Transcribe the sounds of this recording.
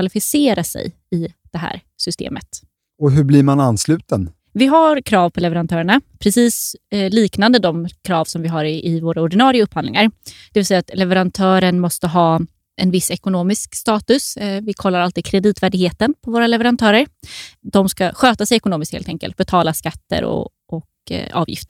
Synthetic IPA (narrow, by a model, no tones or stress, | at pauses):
alɪfɪseːɾasɛ̰j | ɪd̪̥ɛɦæ̰ːɾ | sʏst̪ḛːmə̰t̪ | ɔɦɵblɪɾmananslʉ̟ːt̪ən | vɪɦaɾkʰɾɑːvpʰɔlɛvɛɾant̪ʰœːɾəɳapʰɾɛsiːsliːknand̪əd̪ɔmkʰɾɑːvsɔmvɪɦaɾɪɪvoːɾaɔɖɪnɑːɾɪəɵphand̪lɪ̰ŋaɾd̪̥ɛvɪlsɛjːat̪lɛvɛɾant̪ʰœːɾəɳmɔst̪əɦɑː | ʔɛnvɪsːɛkʊnoːmɪskst̪ɑːt̪ɵsvɪkʰɔlːaɾalt̪iːd̪kʰɾɛd̪iːt̪væːɖɪɡheːt̪ənpʰɔvoːɾalɛvɛɾant̪ʰœːɾəɾd̪ɔmskaɧøːt̪asɛjɛkʊnoːmɪst̪hḛlt̪ɛŋkə̰lt̪̚bɛt̪ʰɑːlaskat̪ːə̰ɾɔ̰ | ɔk | ɑ̰ːvjɪ̰ft̪əɾ